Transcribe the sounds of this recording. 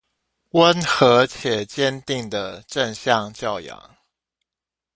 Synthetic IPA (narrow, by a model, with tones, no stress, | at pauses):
wə˦nxɤ˧˥˦t͡ɕʰjɛ˨˩t͡ɕjɛ˥˦nt̪i˥˩ŋd̪ə˩ʈ͡ʂə˥˧nɕjɑ˥˨ŋt͡ɕjɑ˥˩ʊjɑ̰˧˦ŋ